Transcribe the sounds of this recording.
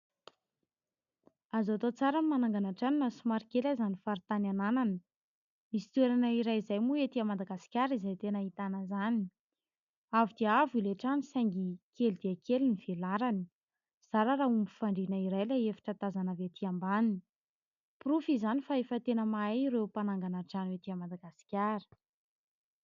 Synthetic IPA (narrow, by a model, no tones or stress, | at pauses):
azat̪ot͡saɾanmanaŋɡanaʈ͡ʂaninəsumaɾikelajzanifaɾit̪ananananə | misi̥t̪ueɾanəiɾajizajmuet̪iamad̪aɡasi̥kʲaɾizajt̪enəit̪anəzani | avid̪iavileʈ͡ʂanisajŋɡikʰelid̪iakeliniv̥elaɾani̥ | z̥aɾaɾaɦumbu̥faɳɖ͡ʐinəiɾajlaefḁʈ͡ʂət̪azanavet̪ʰiambanini | prufizanifaefət̪enəmaajɾewpanaŋɡanaʈ͡ʂanet̪iamad̪aɡasi̥kʲaɾə̥